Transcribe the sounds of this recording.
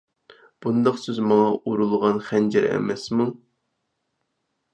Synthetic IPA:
b̥und̪ɑqsɪzmɑŋɑʔuɾulˠʁɑnχɛnd͡ʒɛɾɛ̰mɛsmu

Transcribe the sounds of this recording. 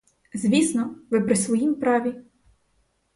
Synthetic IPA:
zʲʋʲisnɔʋɪpɾɪsʋɔjimpɾɑʋʲi

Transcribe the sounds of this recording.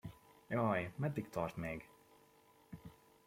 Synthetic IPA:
jɒːjmɛd̪ːikt̪ɒrt̪meːɡ

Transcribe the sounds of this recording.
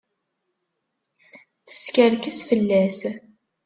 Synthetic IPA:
θə̥skəɾkəsfəlːæs

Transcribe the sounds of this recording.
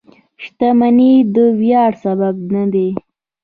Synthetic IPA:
ʃt̪amanid̪əwjɑɽsabab̚nad̪e

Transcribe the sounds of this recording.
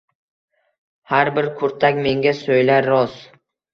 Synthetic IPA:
haɾbɪɾkʰʊɾt̪ʰakʲme̞ŋɡʲasojlaɾːɒz

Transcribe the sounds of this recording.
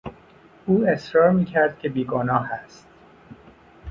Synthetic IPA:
uːe̞sɾɒːɾmiːcʰæɾd̪̥̚cʲʰebiːɡoːnɒːhæst̪̚

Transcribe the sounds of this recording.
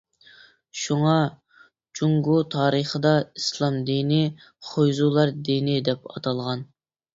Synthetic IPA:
ʃuŋɑ | t͡ʃʰuŋɡut̪ʰɑːɾəχəd̪ɑislˠɑmd̪inɪ | χʰojzulˠɑɾd̪inɪd̪ɛpɑ̰t̪ʰɑlˠʁɑn

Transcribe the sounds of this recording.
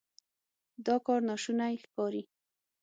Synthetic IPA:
d̪ɔkɔɾnɑʃunajxkɑɾi

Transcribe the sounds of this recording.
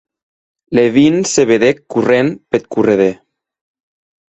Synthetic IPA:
leβinseβeðekurenpet̪̚kureðe

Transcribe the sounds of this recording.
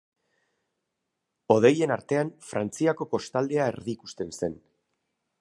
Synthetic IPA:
o̞ðe̞je̞naɾt̪e̞anfɾant͡siako̞po̞st̪ald̪e̞aḛɾðiːku̥st̪e̞nse̞n

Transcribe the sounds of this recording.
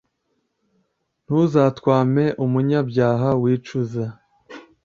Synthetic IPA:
n̥huzaːtkwaːme̞ʔumuɲabɟaːɦawiːt͡ʃuza

